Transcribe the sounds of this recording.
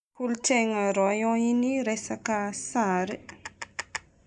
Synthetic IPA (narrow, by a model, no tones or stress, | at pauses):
kult͡ʃɛŋaɾɔjɔiniɾɛsakasaɾe